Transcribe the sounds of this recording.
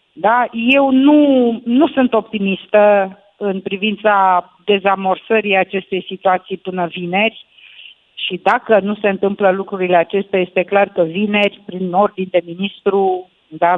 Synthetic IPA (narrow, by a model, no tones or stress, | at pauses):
d̪aje̞wnunusunt̪o̞p̚t̪imist̪ə | ɨnpɾivint̪sa | d̪e̞zamo̞rsəɾiat͡ʃe̞st̪e̞jsit̪uat̪sijpɨnəvine̞rʲ | ʃid̪akənuse̞ɨnt̪ɨmpləlukɾuɾile̞at͡ʃe̞st̪eaje̞st̪e̞klarkəvine̞rʲpɾino̞rd̪ind̪e̞minist̪ɾu | d̪a